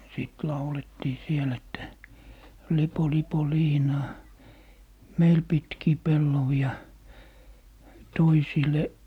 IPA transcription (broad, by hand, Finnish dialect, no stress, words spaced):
siˑt lɑuletːiː siel etːæ lipo lipo liːnɑː meil pitkiː pelːoʋiɑ toisile